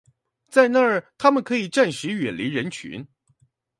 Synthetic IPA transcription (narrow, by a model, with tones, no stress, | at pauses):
t͡sa˥˧ɪna˥˧ə˥˩t̪ʰa˥mə˨nkʰɤ˧˥i˨˩ʈ͡ʂa˥˩nʂɻ̩˧˥ɥɛ˨˩nli˧˥ɻə˧˥nt͡ɕʰy̰˧˥n